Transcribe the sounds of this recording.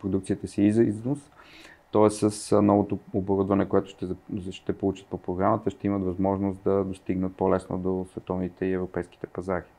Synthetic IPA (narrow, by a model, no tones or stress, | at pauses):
pɾod̪uk̚t̪sit̪əsiizɐiznost̪ɔɛsːəsnɔvot̪ooboɾud̪vɐnɛkoɛt̪ʊ̥ʃt̪ɛʃt̪ɛpolˠut͡ʃə̥t̪̚popɾoɡɾamət̪əʃt̪ɛimət̪vɐzmɔʒnost̪d̪ɐd̪ost̪iɡnət̪̚polɛsno̰d̪osvɛt̪ɔvnit̪ɛiɛvɾopɛjsk̟i̥t̪ɛ̥pɐzaɾi